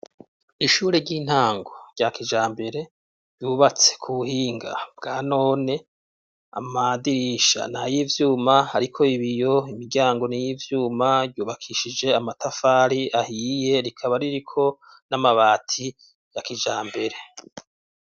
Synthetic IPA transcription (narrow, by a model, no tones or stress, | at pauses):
iʃuːɾeɾɟiːn̥haːŋɡo̞ɾɟ̥akid͡ʒaːmbe̞ɾe̞ | ɾɟuːβat͡se̥kʰuβuhiːŋɡa̰b̥̚ɡaːno̞ːne̞ | a̰madiɾiʃa̰najivjuːmahaɾikʰo̞iβijo̞imiɾɡɟaːŋɡo̞nijiːvjuːmaɟɟuːβakʰiʃid͡ʒe̞amatafaːɾiʔahiːje̞ɾikʰaβaɾiɾikʰo̞ | namaβaːtʰi | jakid͡ʒaːmbe̞ɾe̞